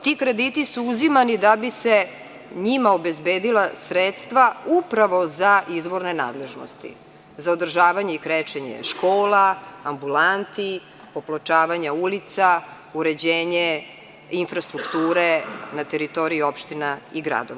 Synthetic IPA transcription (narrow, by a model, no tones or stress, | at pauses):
t̪ikɾe̞d̪it̪isuuzimanid̪abise | ɲimaobezbeːd̪ilasɾet̪st̪ʋaupɾaʋo̞zaʔizʋo̞ɾnena̰ːd̪le̞ʒno̰st̪ḭ | zaod̪r̩ʒaːʋaɲeikɾet͡ʃeɲḛʃkoːlaːambulant̪i | poplˠot͡ʃaːʋaɲaulit̪sa | uɾe̞d͡ʑeːɲe | infɾast̪ɾukt̪uːɾenat̪eɾit̪o̞ɾiio̞pʃt̪inaiɡɾa̰d̪oʋa